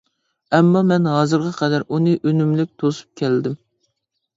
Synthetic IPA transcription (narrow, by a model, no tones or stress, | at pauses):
ɛmːɑmɛnɦɑzɨɾʁɑqʰɛd̪æɾunɨʔønymlɪk̚ʲt̪ʰosu̥p̚kʲʰæld̪ɪm